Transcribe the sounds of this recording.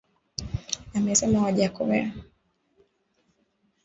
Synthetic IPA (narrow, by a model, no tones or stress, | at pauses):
amɛsɛmawaʄakɔβɛ̰ɾa